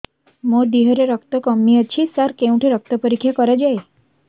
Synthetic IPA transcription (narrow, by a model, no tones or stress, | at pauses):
moɖiɦɔɾeɾɔkt̪ɔkɔmːiɔt͡ʃʰisaɾkeũʈʰeɾɔk̚t̪ɔpɔɾikʰːjakɔɾad͡ʒae